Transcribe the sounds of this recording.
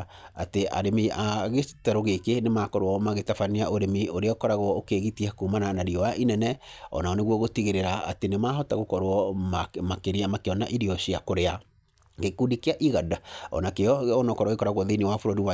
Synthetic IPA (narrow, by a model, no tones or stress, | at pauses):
atea̰ɾemiaɣetɛɾoɣekenemakɔɾwɔmaɣetafaniaʔoɾemioɾeɔkɔɾaɣwɔokeːɣitiakumananaɾiɔwaʔinɛnɛɔ̰naɔneɣwɔɣotiɣeɾeɾaa̰tenemaɦɔtaɣokɔɾwɔmamakeɾiamakeɔnaʔiɾiɔɕiakoɾea | ɡekudikiaʔiɣadaɔ̰nakeɔɔnɔkɔɾwɔɣekɔɾaɣwɔðenewafoɾoɾiwa